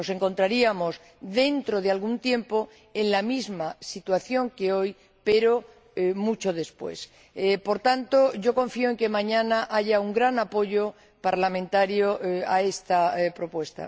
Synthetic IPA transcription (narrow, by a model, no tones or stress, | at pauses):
no̞se̞ŋko̞nt̪ɾaɾiamo̞z | ðe̞nt̪ɾo̞ðealɣunt̪je̞mpo̞ | e̞nlamizmasit̪waθjo̞ŋke̞o̞j | pe̞ɾo̞ | mut͡ʃo̞ð̞e̞spwe̞̰s | po̞ɾt̪ant̪o̞ʝo̞kõ̞ɱfioe̞ŋke̞mãɲãnaʔaʝauŋɡɾanapo̞ʎo̞ | paɾlamẽnt̪aɾjoae̞st̪apɾo̞pwe̞st̪a̰